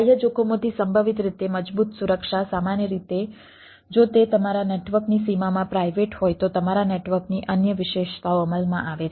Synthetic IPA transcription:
əjəd͡ʒokʰomõt̪isəmbʱəʋit̪ɾit̪eməd͡ʒbut̪suɾəkʃasamanjəɾit̪e | d͡ʒot̪et̪əmaɾaneʈʋəɾknisimamãpɾajʋeʈɦojt̪ot̪əmaɾaneʈʋəɾkniʔənjəʋɪʃeʃt̪aoəməlmã̰ʔaʋe

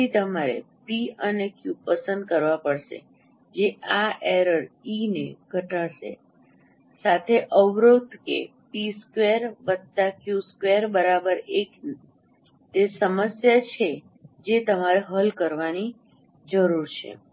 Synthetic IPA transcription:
it̪əmaɾḛpiənekjupəsə̃nd̪̚kəɾʋapəɽʃḛ | d͡ʒeʔaʔeɾəɾinḛɡʱəʈaʃḛ | sat̪ʰeʔəʋɾod̪ʱkḛ | piskʋeɾbət̪ːakjuskʋeɾbəɾabəɾek | t̪esəməsjat͡ʃʰe | d͡ʒet̪əmaɾeɦəlkəɾʋani | d͡ʒəɾuɾt͡ʃʰḛ

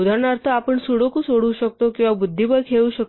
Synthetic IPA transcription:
d̪ʱaɾɳaɾt̪ʰəapəɳsuɽokusoɽuːɕək̚t̪okĩw̃ʋabud̪ʱːibəɾkʰeuːɕək̚

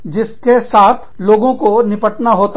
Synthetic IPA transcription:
d͡ʒɪskesaːt̪ʰloːɡõkonɪpəʈnaɦoːt̪

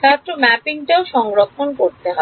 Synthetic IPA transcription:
k̪at̪ɾomɛpiŋʈaoʃɔŋɡɾokʰːonkoɾt̪eɦɔ

